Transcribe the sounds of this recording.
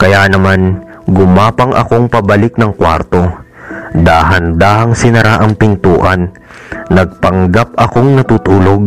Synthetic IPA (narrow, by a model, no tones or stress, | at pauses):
kɐjanɐman | ɡʊmaːpɐŋʔɐ̰ko̞ŋpɐbɐlɪk̚nɐŋkwa̰ɾt̪o̞ | d̪aːɦɐnd̪aːhɐŋsɪnɐɾaʔɐŋpɪnt̪uːʔɐnː | ɐɡ̚pɐŋɡap̚ɐko̞ŋnɐt̪uːt̪uːlo̞ɡ̚